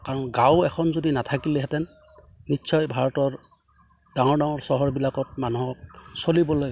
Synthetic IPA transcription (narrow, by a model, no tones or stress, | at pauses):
kaɹɔnɡãwɛxʰɔnzodinatʰakilɛɦɛtɛn | nitːsʰɔjbʱaɹɔtɔɹ | daŋɔɹdaŋɔɹsɔɦɔɹbilakɔt̚manuɦɔk̚solibɔloj